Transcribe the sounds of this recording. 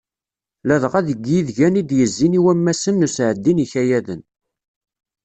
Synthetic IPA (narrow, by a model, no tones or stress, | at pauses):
læðʁæðəɡjiðʝænid̪jəzːiniwæmːæsənːusʕəd̪ːiniçæjæðən